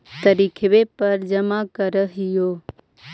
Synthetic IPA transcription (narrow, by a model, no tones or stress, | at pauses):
t̪əɾikʰʋepəɾd͡ʒəmakəɾəɦɪjoː